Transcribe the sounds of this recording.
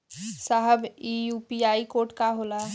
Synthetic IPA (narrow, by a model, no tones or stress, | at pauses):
saɦəbijuːpiaːikoːɾʈkaɦoːla